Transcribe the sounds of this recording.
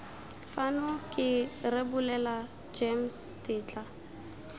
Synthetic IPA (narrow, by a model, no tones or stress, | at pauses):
fanʊkʼɪrebʊlɛla | d͡ʒemstʼɪːt͡ɬʼa